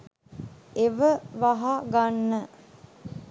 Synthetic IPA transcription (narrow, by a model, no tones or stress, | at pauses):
eʋəʋaɦaɡanːə